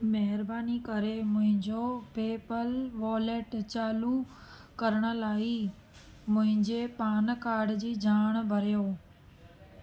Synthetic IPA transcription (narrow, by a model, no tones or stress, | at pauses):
mɐɦɪɾbaːnikɐɾemʊ̃ɦɪ̃ɲd͡ʑopeːpəlʋaːleːʈt͡ɕaːlu | kɐɾəɽ̃ə̆laːi | mʊ̃ɦɪ̃ɲd͡ʑepaːnkaːɾɖd͡ʑiːd͡ʑʱaːɽ̃bʱɐɾijoː